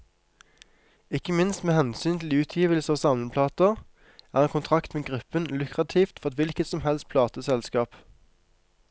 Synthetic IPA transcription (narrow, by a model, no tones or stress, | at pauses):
ɪkəmɪnst̪meːhɛnsyːnt̪ʰl̩ʉːt̪ʰjiːʋəlsəɑːʋsɑmənpʰlɑːt̪əʁ | ʔæːʁɛnkʰʊnt̪ʰʁɑkt̪meːɡʁʉpənlʉkʁɑt̪ʰiːft̪fɔʁɛt̪ʋɪlkət̪sɔmhɛlst̪̚pʰlɑːt̪əsɛlskɑːp